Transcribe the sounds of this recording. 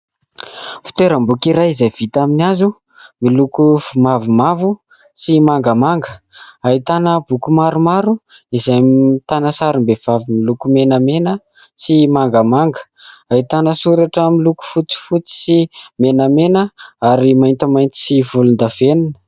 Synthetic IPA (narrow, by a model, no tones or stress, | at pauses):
fi̥t̪eɾəmbukiɾajizajv̥it̪aminazu | milukuvumavumavu | simaŋɡəmaŋɡə | ait̪anəbukumaɾumaɾu | izajt̪anəsaɾimbev̥avimilukumenəmenə | simaŋɡəmaŋɡə̥ | ait̪anəsuɾaʈ͡ʂəmiluku̥fut͡si̥fut͡si̥simenəmenəaɾimajnt̪əmajnt̪i̥sivulund̪aveninə̥